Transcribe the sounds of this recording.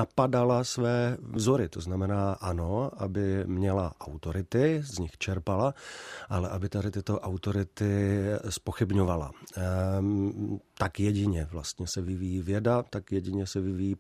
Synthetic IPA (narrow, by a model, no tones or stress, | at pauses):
apadalasvɛːvzoɾɪt̪oznamɛnaːʔanoʔabɪmɲɛlaʔawt̪oɾɪt̪ɪzɲɪxt͡ʃɛɾpalaʔalɛʔabɪt̪adɪt̪ɪt̪o̞ʔawt̪o̞ɾɪt̪ɪspoxɪbɲovala̰ | t̪akjɛɟɪɲɛvlast̪ɲɛsɛvɪvijiːvjɛdat̪akjɛɟɪɲɛsɛvɪvijiː